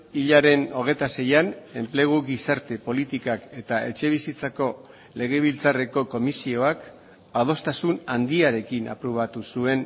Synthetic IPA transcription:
iʎaɾe̞no̞ɣ̞e̞t̪ase̞jane̞mple̞ɣ̞uɣisaɾt̪e̞po̞lit̪ikake̞t̪aʔe̞̰t͡ʃe̞β̞isit͡sako̞ | le̞ɣ̞e̞βilt͡sare̞ko̞ko̞misio̞ak | að̞o̞st̪asunand̪iaɾe̞kina̰pɾuβ̞at̪usue̞n

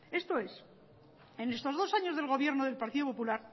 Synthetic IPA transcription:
e̞st̪o̞e̞s | ene̞st̪o̞zðo̞saɲo̞zð̞e̞lɣ̞o̞βje̞ɾnoð̞e̞lpaɾt̪iðop̬o̞pulaɾ

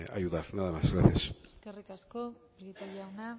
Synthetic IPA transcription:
a̰juðaɾnaðamazɣɾaθjasskerikaskobɾjet̪aɾiawna

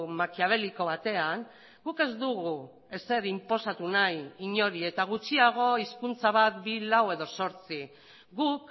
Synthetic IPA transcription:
makiaβ̞e̞liko̞βat̪e̞aŋ | ɡuke̞zd̪uɣu | e̞se̞ɾimpo̞sat̪unajiɲo̞ɾie̞t̪aɣ̞ut͡ʃiaɣ̞o̞iskunt͡saβ̞at̪bilawe̞ðo̞so̞ɾt͡si | ɣuk

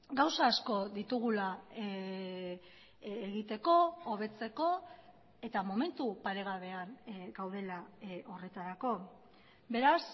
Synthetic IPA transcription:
ɡawsaːsko̞ðit̪uɣ̞ula | eɣ̞it̪e̞ko̞oβ̞e̞t͡se̞ko̞ | e̞t̪amo̞me̞nt̪upaɾe̞ɣ̞aβe̞aŋɡawð̞e̞lao̞re̞t̪aɾako̞ | be̞ɾas

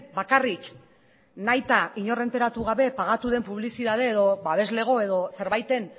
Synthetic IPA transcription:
bakarik | najt̪aiɲo̞re̞nt̪e̞ɾat̪uɣ̞aβe̞paɣat̪uð̞e̞mpuβlisiðað̞e̞ːðo̞βaβe̞zle̞ɣ̞o̞e̞ðo̞se̞ɾβajt̪e̞n

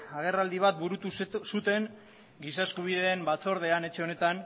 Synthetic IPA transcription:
aɣ̞e̞rald̪iβ̞at̪̚buɾut̪usut̪e̞ŋ | ɡisaeskuβ̞iðe̞ːmbat͡so̞ɾð̞e̞ane̞t͡ʃe̞o̞ne̞t̪an

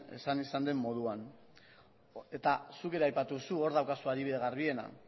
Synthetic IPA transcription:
e̞̰sanisand̪e̞mːo̞ð̞uan | e̞t̪asuke̞ɾe̞ajpat̪usuo̞ɾð̞awkasuaðiβiðe̞ɣ̞aɾβie̞na̰

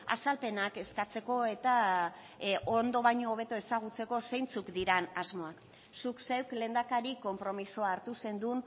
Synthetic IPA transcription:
a̰salpe̞nake̞skat͡se̞ko̞e̞t̪a | ond̪o̞βajɲo̞ːβ̞e̞t̪oe̞saɣ̞ut͡se̞ko̞se̞jnt͡sukd̪iɾanazmo̞ak | sukse̞wkle̞ːnd̪akaɾiko̞mpɾo̞misoaːɾt̪use̞nd̪un

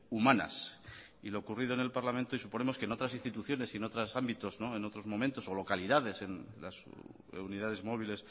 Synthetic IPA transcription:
umãna̰s | ilo̞ːkurið̞oene̞lpaɾlamẽnt̪oisupo̞ne̞mo̞skeno̞t̪ɾasĩnst̪it̪uθjo̞ne̞sieno̞t̪ɾasambit̪o̞zno̞e̞no̞t̪ɾo̞zmõ̞mẽnt̪o̞so̞lo̞kaliðaðe̞se̞nlas | uniðaðe̞zmo̞β̞ile̞s

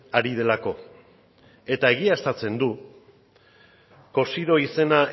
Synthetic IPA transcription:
aɾið̞e̞lako̞ | e̞t̪ae̞ɣ̞iast̪at͡se̞nd̪u | ko̞siðo̞ise̞na

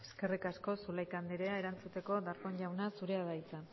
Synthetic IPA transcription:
eske̞rikasko̞sulajkand̪iɾeae̞ɾant͡sut̪e̞ko̞d̪aɾko̞ɲʝawnasuɾe̞aðajt͡sa

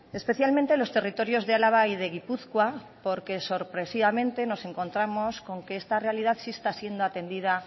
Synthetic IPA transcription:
e̞spe̞θjalmẽnt̪e̞lo̞st̪e̞rit̪o̞ɾjo̞zðealaβ̞aið̞e̞ɣ̞ipuθkwa | po̞ɾke̞so̞ɾpɾe̞siβamẽ̞nt̪e̞no̞se̞ŋko̞nt̪ɾamo̞sko̞ŋke̞est̪are̞aliðaðsist̪asje̞nd̪oat̪e̞nd̪ið̞a

